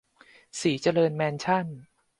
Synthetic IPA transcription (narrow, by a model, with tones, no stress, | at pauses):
siː˩˦t͡ɕa˧lɤː˧nmɛː˧nt͡ɕʰa˥˩n